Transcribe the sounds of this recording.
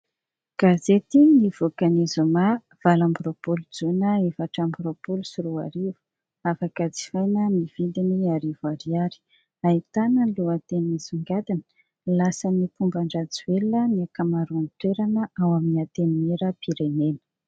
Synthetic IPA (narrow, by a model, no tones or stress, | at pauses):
ɡ̥azet̪inivokanizuma | v̥alambiɾopulud͡zunəefaʈ͡ʂambiɾopulusuɾua̰ɾivu̥ | afakad͡zi̥fajnənivid̪iniaɾivaɾiaɾi̥ | ait̪anəluat̪enizuŋɡad̪inə̥ | lasənipumbaɳɖ͡ʐad͡zueləniakamaɾunt̪weɾanəawaminiat̪enieɾəpiɾenenə̥